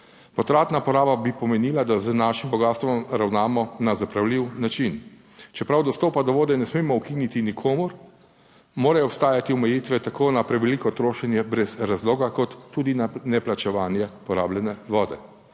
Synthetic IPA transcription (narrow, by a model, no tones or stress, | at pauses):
pɔt̪ɾaːt̪napɔɾaːbabipɔmɛniːlad̪aznaːʃimbɔɡaːst̪ʋɔmɾawnaːmɔnazapɾawliwnat͡ʃin | t͡ʃɛpɾawd̪ɔst̪oːpad̪ɔʋoːd̪ɛnɛsmeːmɔukinit̪inikʰoːmʊɾ | moːɾajɔpst̪aːjat̪iɔmɛjiːt̪ʋɛt̪akoːnapɾɛʋɛlikɔt̪ɾoːʃɛnjɛbɾɛzɾazloːɡakɔt̪ːuːd̪innɛplat͡ʃɛʋaːnjɛpɔɾaːbljɛnɛʋɔːd̪ɛ